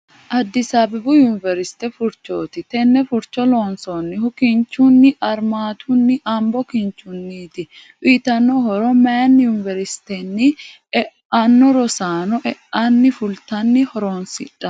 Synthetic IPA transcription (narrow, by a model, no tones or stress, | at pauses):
ʔɐd̪ːɪsaːbɛbʊjʊnɪvɛɾɪst̪ɛfʊɾt͡ʃːo̰ːt̪ɪt̪ɛnːɛfʊɾt͡ʃːɔloːnsonːɪhʊkɪnt͡ʃːunːɪʔɐɾmaːt̪ʰʊnːɪʔɐmbɔkɪnt͡ʃʊnːiːt̪ɪ | ʔiːt̪ɐnːɔhɔɾɔmɛɐnjunɪvɛɾɪst̪ɛnːɪ | ɛʔɐnːɔɾɔsaːnɔʔɛʔɐnːɪfʊlt̪ɐnːɪhɔɾoːnsɪ̰ᶑɐ